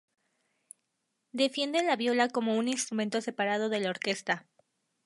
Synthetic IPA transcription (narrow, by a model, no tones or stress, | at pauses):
d̪e̞fje̞nd̪e̞nlaβjo̞lako̞mo̞uninst̪ɾumẽ̞nt̪o̞se̞paɾað̞o̞ðe̞laoɾke̞st̪a